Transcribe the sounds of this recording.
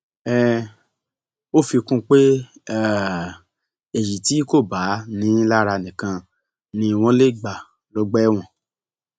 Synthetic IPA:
ɛ˦ | o˦˨fi˧kũ˦k͡pe˦˨ | ɛ˨ji˨ti˨˦ko˦˨ba˨˦nĩ˨˦la˦ɾa˧nĩ˨kã˧ | nĩ˧˦˧w̃ɔ̃˦le˦˨ɡ͡ba˨ | lɔ˨˦ɡ͡bɛ˦w̃ɔ̃˦˨

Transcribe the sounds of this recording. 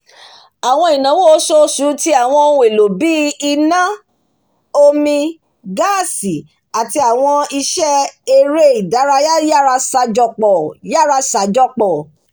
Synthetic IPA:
a˨w̃ɔ̃˧i˨nã˨˦wo˦o˦so˦su˨˦ti˦a˨w̃ɔ̃˧˦ũ˦˧e˨lo˨bi˨˦i˧nã˦ | o˧mĩ˧ | ɡa˦˨si˨ | a˨ti˧a˨w̃ɔ̃˧i˧ʃɛ˦e˧ɾe˦i˨da˨˦ɾa˧˦ja˦ja˦ɾa˧sa˧d͡ʒɔ˧k͡pɔ˨ja˦ɾa˧sa˨˦d͡ʒɔ˧k͡pɔ˨

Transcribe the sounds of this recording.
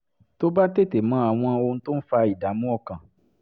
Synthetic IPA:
to˦ba˦te˦˨te˨mãː˨˦a˦˨w̃ɔ̃˧o˧ũ˧to˦n̩˦fa˧i˨da˨˦mũ˦ɔ˦˨kã˨

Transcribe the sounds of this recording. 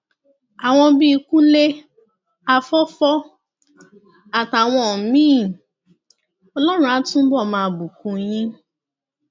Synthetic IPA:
a˨w̃ɔ̃˧bi˦˧ku˦le˦ | a˧fɔ˦fɔ˦ | a˨ta˨w̃ɔ̃˧˨˦mĩː˦˨ | ɔ˧lɔ˦ɾ̃ũ˦a˨˦tũ˦bɔ˦˨mãː˧˨bu˨kũ˧j̃ĩ˦

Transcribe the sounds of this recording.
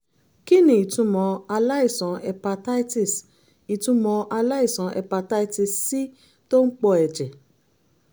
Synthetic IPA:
ki˦nĩ˨i˨tũ˧˦mɔ̃˧a˧la˦i˦˨sɔ̃˨˦ɛ˧pa˧ta˦i˦ti˦˨s | i˨tũ˧˦mɔ̃˧ʔa˧la˦i˦˨sɔ̃˨˧˦ʔɛ̰˧pa˧ta˦i˦ti˧˨ssi˦ | to˦n̩˦k͡pɔ˧ɛ˨d͡ʒɛ˨

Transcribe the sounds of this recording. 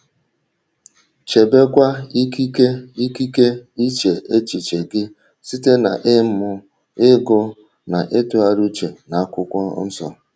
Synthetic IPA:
t͡ʃe˨be˦kʷa˦i˦ki˦ke˦i˦ki˦ke˦i˦t͡ʃe˨ʔe˦t͡ʃi˨t͡ʃe˨ɡɪ˦ | si˦te˦na˨ʔɪ˦mʊ˦ | ɪ˦ɡʊ˦ | na˨ʔe˦tʊ˨a˨ɾu˦t͡ʃe˨na˨a˦kʷʊ˦kʷɔ̰˦n̩˦sɔ̰˨

